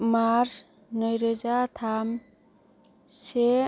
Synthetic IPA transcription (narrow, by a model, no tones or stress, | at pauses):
maɾ | nɔjɾɔzat̪ʰam | se